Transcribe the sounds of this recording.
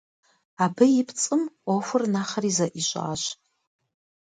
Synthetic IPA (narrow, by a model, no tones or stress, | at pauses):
abɨjipʰt͡sʼɨmofʷɨrnaχərizaʔiɕʷʼa̰ːʃ